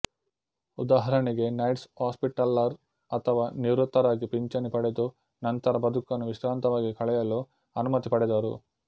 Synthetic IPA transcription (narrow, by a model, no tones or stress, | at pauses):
ud̪aːɦɐɾɐɳiɡe̞nɐjʈshaːspiʈɐlːɐɾ | ɐt̪ʰɐʋaːniʋɾut̪ːɐɾaːɡipiɲt͡ʃɐnipɐɽed̪u | nɐnt̪ɐɾɐbɐd̪ʱukɐnːuʋiʃɾaːnt̪ɐʋaːɡikɐɭɛjɐloː | ɐnumɐt̪ipɐɽɛd̪aːɾṵ